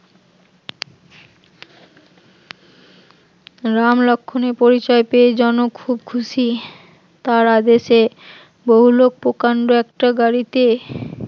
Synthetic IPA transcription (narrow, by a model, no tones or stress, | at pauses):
ɾamlɔkʰːonepoɾit͡ɕɔepeed͡ʑɔnokʰubkʰuʃi | t̪aɾad̪eʃe | boɦulok̚pokaɳɖoɛk̚ʈaɡaɾit̪e